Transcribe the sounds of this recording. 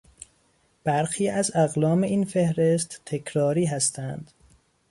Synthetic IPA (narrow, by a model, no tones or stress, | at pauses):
b̥æɾxiːæzæɣlɒːme̞iːnfe̞hɾest̪t̪ʰːekʰɾɒːɾiːɦæst̪ʰænd̪̥